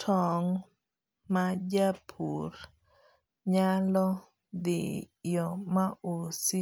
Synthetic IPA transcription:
tʰɔŋ | mad͡ʒapʰur | ɲalɔ | d̪ɪ̰jɔmaʔosi

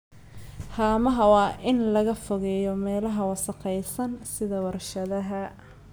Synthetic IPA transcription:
haːmɐɦɐwɑːʔɪnlɐɣɐfɔɣɛːjɔmɛːlɐɦɐwɑsɐqɛjsɐnsɪðɐwɑrʃɐðɐɦɐ

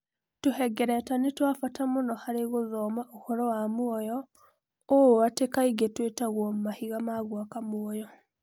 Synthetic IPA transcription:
tuhɛɡɛɾɛtanetwafatamonɔhaɾeɣoðɔːmaʔohɔɾɔwamuɔjɔ | owatekaiɡetwetaɣwɔmumahiɣamaɣwakamuɔjɔ

